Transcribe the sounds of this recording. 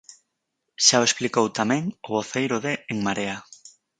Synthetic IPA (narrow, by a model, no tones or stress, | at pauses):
ʃaoesplikowt̪amɛ̃ŋʊβoθejɾoðeeŋmaɾea